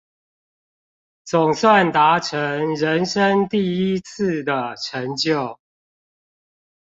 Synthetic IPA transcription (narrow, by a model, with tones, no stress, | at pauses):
t͡sʊ˨˩ŋswa˥˨nt̪a˨˦ʈ͡ʂʰə˦ŋɻə˨˦nʂə˦ŋt̪i˥˨i˦t͡s̩ʰ˥˨d̪ə˩ʈ͡ʂʰə˧˦ŋt͡ɕjo˥˨ʊ